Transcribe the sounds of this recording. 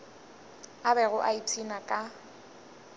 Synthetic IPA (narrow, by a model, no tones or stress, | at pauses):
abɛɣʊʔait͡sʰinakʼa